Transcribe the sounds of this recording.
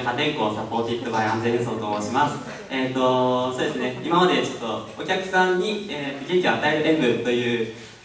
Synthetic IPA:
kat̪ẽ̞ŋko̞ːsapo̞ːt̪ʲit̪ːobaiãnzẽ̞ɲd̪esoːt̪oːmoːɕimasɨ̥ | et̪ːo̞so̞ːd̪e̞sɨne̞imamad̪e̞t͡ɕo̞t̪ːo̞okʲakɯ̟̥sãɲ̟ːieːt̪ːoɡeŋ̟kʲioat̪ae̞ɾɯ̟ɾe̞mbɯ̟t̪o̞jɯ̟ː

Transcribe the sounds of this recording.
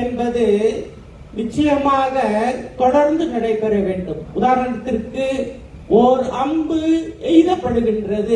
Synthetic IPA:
ɛnbɐðɯ | nɪt͡ʃːɐjɐmaːɣɐt̪ɔɽɐɾnd̪ɯnɪɽɐɪpːɛɾɐʋeːɳɖɯmʊðaːɾɐnɐt̪ːɪrkɯ | ʔɔɾɯʔɐmbɯɛɪðɐpːɐɽɯɣɪndrɐðɯ

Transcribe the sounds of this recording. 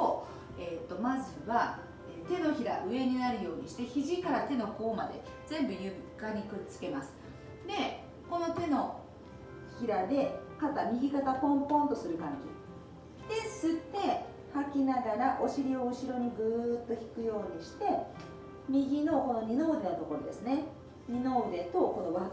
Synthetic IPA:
o | e̞t̪ːo̞mazɨβa | et̪e̞no̞çiɾa̰ʔɯ̟e̞ɲ̟inaɾɯ̟jo̞ːɲ̟iɕi̥t̪e̞çiʑikaɾat̪e̞no̞ko̞ːma̰d̪e̞̰ | zẽ̞mbɯ̟jɯkaɲ̟ikɯ̟t͡sɨ̥ke̞masɨ̥ | d̪e̞ | ko̞no̞t̪e̞no̞ | çiɾad̪e̞kat̪amʲiɡʲikat̪apõ̞mpõ̞nt̪o̞sɨɾɯ̟kãɲ̟ɡḭ | d̪̥e̞sɨt̪ːe̞ | hakʲinaɡaɾaʔo̞ɕiɾʲio̞ɯɕiɾo̞ɲ̟iɡɯːt̪ːo̞çi̥kɯ̟jo̞ːɲ̟iɕi̥t̪e̞ | mʲiɡʲino̞ko̞no̞ɲ̟ino̞ːd̪e̞not̪o̞ko̞ɾo̞d̪e̞sɨne̞ | ɲ̟ino̞ːd̪e̞t̪o̞ko̞no̞βa

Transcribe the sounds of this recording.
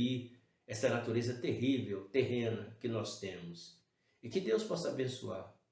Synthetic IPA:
i | ɛsɐnat̪uɾezɐt̪eɦivewt̪eɦẽnɐkɪnɔst̪ẽmʊs | ɪkɪd̪ewspɔsɐabẽsua̰ɾ

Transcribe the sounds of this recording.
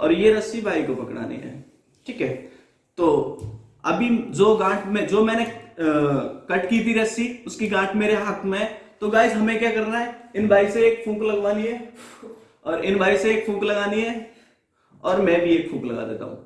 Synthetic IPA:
ɔ̰ːɾjeɾɐsibʱaːikopɐkɽa̰ːnḭɦɛ̰ː | ʈʰiːkɦɛː | t̪oː | ɐbʱid͡ʒoːɡãːʈʰmɛ̃d͡ʒoːmɛ̃ːne | kɐʈkiːt̪ʰiɾɐsiʊskiɡãːʈʰmeːɾeɦɐkmẽt̪oɡaːɪsɦɐmẽkjakɐɾnaɦɛɪnbaːiseeːkfʰũːklɐɡʋaːniɦɛː | ɔːɾɪnbʱaːiseeːkfʰũːklɐɡaːniɦɛː | ɔːɾmɛ̃bʱieːkfʰũːklɐ̰ɡa̰ːd̪ḛːt̪a̰ːɦṵ̃ː

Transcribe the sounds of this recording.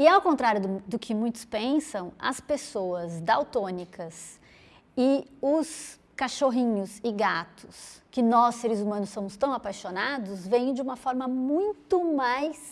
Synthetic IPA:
ɪawkõnt̪ɾaɾjʊd̪ʊkʰɪmũj̃t̪ʊ̥spẽsɐ̃w̃ɐ̰spesoɐzd̪awt̪õnikɐs | ɪʊs | kaʃoɦĩɲʊzɪɡat̪ʊ̥skɪnɔsːeɾɪzumɐ̃nʊsːõmʊst̪ɐ̃w̃apajʃonad̪ʊzvẽj̃d͡ʒɪũmɐfɔɾmɐmũj̃t̪ʊmajs

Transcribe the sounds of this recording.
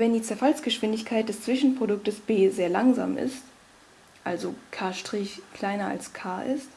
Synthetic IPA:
vɛndiːt͡sɛɐfalsɡ̥əʃv̥ɪndɪçkʰaɪt̚d̥ɛst͡sv̥ɪʃn̩pʁ̥odʊk̚təsb̥eːzeːɐlaŋza̰ːmʔɪ̰st | ʔalzokʰaːɐʃtʁ̥ɪçkʰl̥aɪnɐa̰lskʰaːʔɪst

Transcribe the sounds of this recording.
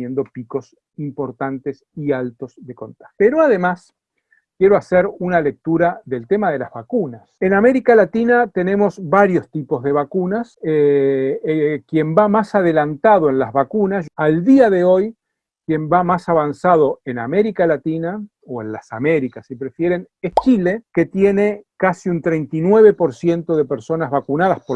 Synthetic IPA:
jend̪o̞piko̞s | impo̞ɾt̪ant̪esialt̪o̞zðe̞ko̞nt̪ḁxeɾoaðe̞mas | kje̞ɾoaseɾunale̞k̚t̪uɾaðe̞lt̪e̞mað̞e̞lazβakunasename̞ɾikalat̪inat̪e̞ne̞mo̞zβaɾjo̞st̪ipo̞zðe̞β̞akunase | kje̞mbamasað̞e̞lant̪að̞o̞e̞nlazβakunasald̪iaðe̞o̞j | kje̞mbamasaβansað̞o̞e̞na̰meɾikalat̪ina | oenla̰same̞ɾikasipɾe̞fje̞ɾe̞n | est͡ʃile̞ke̞t̪je̞ne̞kasiunt̪ɾejnt̪inwe̞β̞e̞po̞ɾsje̞nt̪o̞ð̞e̞peɾso̞nazβakunað̞aspo

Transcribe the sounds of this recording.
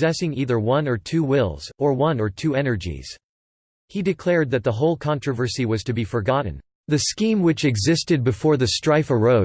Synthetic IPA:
zɛsɪ̃ŋiðə˞wʌ̃nə˞tʰʉwɪlˠz̥ə˞wʌ̃nə˞tʰʉɛnə˞d͡ʒḭz̥ | hidɨkʰl̥ɛɹd̪̚ðɨt̪̚ðəɦoʊlˠkʰɑ̃nt͡ʃɹ̥ɨvə˞siwʌz̥tɨbifə˞ɡɑʔn̩ | ðɨskĩmwɨt͡ʃɨɡzɪstɨd̚bɨfɔɹðɨstɹ̥aɪfə˞oʊ

